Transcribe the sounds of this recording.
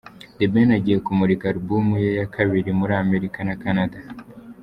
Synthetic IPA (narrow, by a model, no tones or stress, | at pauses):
debenaɟijekumuɾikaɾubumujejakʰaβiɾimuɾaːme̞ɾikanakanada